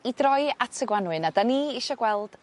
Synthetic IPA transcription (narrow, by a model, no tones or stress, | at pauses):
idrɔɨatʰəɡwanwɨnadaniɪʃɔɡwɛlˠd̥